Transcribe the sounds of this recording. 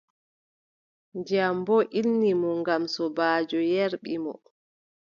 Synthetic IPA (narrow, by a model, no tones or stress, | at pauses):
ɲd͡ʒambɔʔinːimɔŋɡamsɔbaːd͡ʒɔjɛɾɓimɔ̰